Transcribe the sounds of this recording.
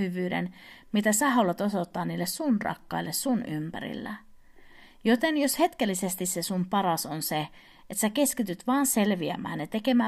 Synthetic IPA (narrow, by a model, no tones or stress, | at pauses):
yʋyːdḛnmit̪æsæhɑulet̪osot̪ːɑːniːlːessunrɑ̰kːɑ̰ilːessunympæ̰ɾḭlːæ̰ | jot̪enjoshe̞t̪kelːisest̪issesumpɑɾɑsonse | ʔet̪sæke̞skit̪yt̪ʋɑːnse̞lʋiæ̰mæ̰ːnnet̪e̞ke̞mæː